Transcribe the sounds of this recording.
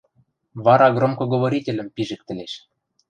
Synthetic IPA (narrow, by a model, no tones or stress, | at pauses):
βɑɾɑɡromkŏɡoβoɾʲitʲelʲɘ̆mpiʒɘ̆k̚t̪ɘ̆lʲeʃ